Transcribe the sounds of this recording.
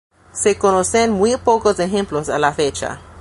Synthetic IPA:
sekonosenmwipokosexẽmplosalafet͡ʃa̰

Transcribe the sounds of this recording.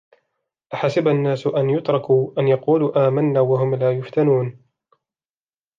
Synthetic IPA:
ʔaħasɪbanːaːsʔanjʊt̪ɾˤɑkuːʔanjɑquːluːʔaːmanːaːwaɦʊmlaːjʊft̪anuːn

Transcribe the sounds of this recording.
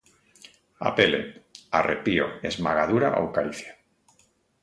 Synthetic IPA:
a̰pelḛarʔepioezmaɣ̞aðuɾa̰ʔowkaɾiθja

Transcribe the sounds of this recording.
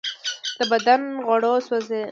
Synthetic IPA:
d̪̥əbad̪anɣwaɽoswaze

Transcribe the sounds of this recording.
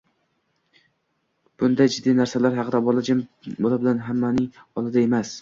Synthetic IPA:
b̥ʊnd̪ajd͡ʒɪd̪ːijnaɾsalaɾɦɑqʰɨd̪abolad͡ʒabolabɪlanɦamːanɪŋɒlˠɪd̪ae̞mas

